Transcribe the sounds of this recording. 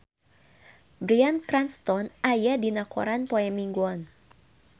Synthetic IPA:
bɾiankɾanst̪ɔnajadinakɔ̰ɾanpɔɛmiŋɡwɔn

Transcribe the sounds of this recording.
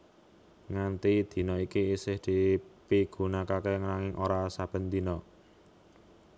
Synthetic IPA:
ŋant̪id̪̥i̤nɔikiːsɪhd̪̥i̤piɡ̥ṳnakakɛŋənaŋɪŋʔoɾasab̥ə̤nt̪inɔ

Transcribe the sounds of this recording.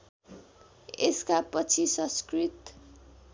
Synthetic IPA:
eskapʌt͡sʰisʌ̃skrit̪

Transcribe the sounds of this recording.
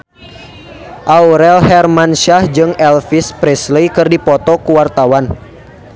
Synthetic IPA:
ʔauɾɛlhɛrmanʃahd͡ʒɨŋɛlfispɾɛslejkɨrdipɔt̪ɔkuwart̪awan

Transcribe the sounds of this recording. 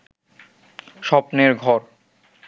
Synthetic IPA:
ʃɔpneɾɡʱɔɾ

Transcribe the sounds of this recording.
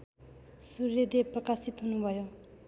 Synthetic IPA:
surjʌd̪eprʌkasit̪ɦunubʱʌjo

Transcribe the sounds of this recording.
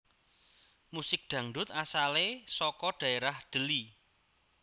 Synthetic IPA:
musɪk̚d̪̥ä̤ŋɖʊ̤t̪̚asalesɔkɔɖ̥ä̤eɾahd̪̥ə̤li

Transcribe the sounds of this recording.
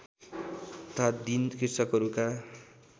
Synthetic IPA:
ʌt̪ʰat̪d̪inkisʌkɦʌɾuka

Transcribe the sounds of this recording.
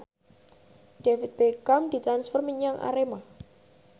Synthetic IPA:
ɖ̥efit̪̚bekamd̪̥i̤t̪ɾansfɛrmiɲaŋʔa̰ɾema

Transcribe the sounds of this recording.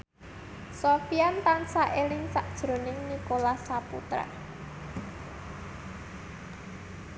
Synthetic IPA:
sofiant̪ansaʔelɪŋsaʔd̥ʒ̥ɾo̤nɪŋnikolasapṵt̪ɾa̰

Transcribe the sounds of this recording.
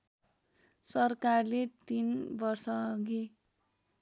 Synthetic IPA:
sʌrkarlet̪inbʌrsʌɡi

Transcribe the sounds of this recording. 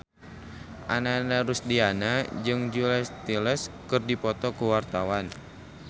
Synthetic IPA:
ʔa̰naːnaɾusdianad͡ʒɨŋd͡ʒulɛst̪iləskɨrdipɔt̪ɔkuwart̪awan

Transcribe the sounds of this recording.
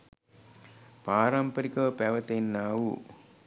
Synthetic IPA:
paːɾɐmpɐɾikɐɐpeʋɐt̪enːaːwu

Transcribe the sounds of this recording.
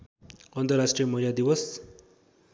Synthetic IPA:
ʌnt̪ʌrasʈrijʌmʌiljad̪iwʌs

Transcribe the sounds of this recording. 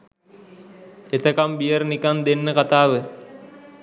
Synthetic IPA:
et̪əkambijəɾnikand̪enːəkat̪aːʋə

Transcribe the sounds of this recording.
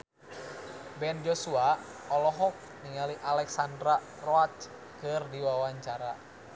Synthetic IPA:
bɛnd͡ʒɔsuaɔlɔɦɔk̚niŋaliʔalɛksandɾa | rɔat͡ʃ | kɨrdiwawaɲt͡ʃaɾa

